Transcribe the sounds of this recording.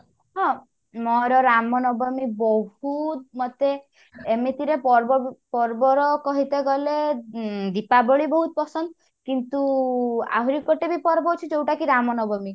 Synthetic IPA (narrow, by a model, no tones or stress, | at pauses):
ɦɔ̃ | mɔɾɔɾamɔnɔbɔmibɔɦut̪̚mɔt̪eː | mit̪iɾepɔɾbpɔɾbɔɾɔkɔɦit̪eɡɔle | d̪ipabɔɭibɔɦut̪̚pɔsɔnd̪ | kint̪ua̰ɦuɾikɔʈebipɔɾbɔɦut͡ʃʰid͡ʒewʈakiɾamɔnɔbɔmi